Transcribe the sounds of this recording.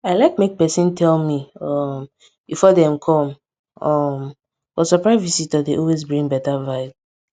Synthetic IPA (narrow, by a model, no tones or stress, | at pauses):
aɪlaɪk̚mek̚pɛsĩntʰɛlmiɔm | b̥ifɔdɛ̃mkʰɔ̃m | ɔm | fɔsɔpɹaɪvisitadeʔɔlwezbɹĩŋbɛtavaɪt